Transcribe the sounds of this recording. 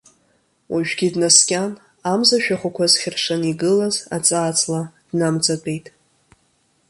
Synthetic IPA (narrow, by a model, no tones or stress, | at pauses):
wʔaʒᶣɡʲidnaskʲʼan | amzaʃᶣaχʷakʷʰazχʲɪrʂaniɡɨlaza̰t͡sʼaːt͡sʼlad̥namt͡sʼat͡pʷʼe̞jtʼ